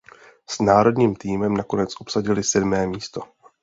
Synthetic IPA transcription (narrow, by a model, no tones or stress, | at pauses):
snaːɾo̞dɲiːmt̪iːmɛmnako̞nɛt͡sʔo̞psaɟɪlɪsɛdmɛːmiːst̪o̞